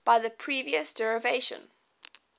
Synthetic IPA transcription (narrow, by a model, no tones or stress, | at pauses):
b̥aɪðəpʰɹ̥iːviəsd̥ɛɹəveɪʃə̰̃n